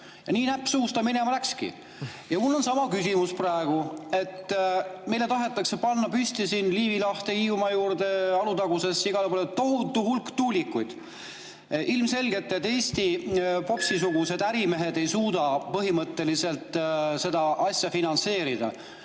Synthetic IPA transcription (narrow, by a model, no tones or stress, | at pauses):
jɑniːnæpːsuːst̪ɑmine̞mɑlækskḭ | jɑmulːo̞nsɑmɑkysʲimusprɑeɡ̥ue̞t̪ːme̞jlet̪ɑɦe̞t̪ːˑɑkse̞pɑnːɑpysʲt̪isinliːvilɑht̪e̞iumɑjuːɾd̪e̞ɑlut̪ɑɡ̥use̞sːiɡ̥ɑlepolet̪o̞ɦut̪ːuhulkt̪uːlʲikːˑujd̪̥ | ʔilmse̞lɡe̞t̪ːˑet̪ːe̞ːsʲt̪ipo̞psisuɡ̥use̞d̪̥æɾime̞ɦe̞d̪e̞jsuːd̪ɑpɤɦimɤt̪ːe̞lise̞lt̪ˑse̞d̪ɑʔɑsʲjɑfinɑnse̞ːɾid̪̥ɑ̰